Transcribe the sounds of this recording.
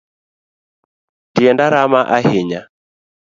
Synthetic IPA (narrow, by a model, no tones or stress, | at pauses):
tiɛndaɾamaʔaheɲa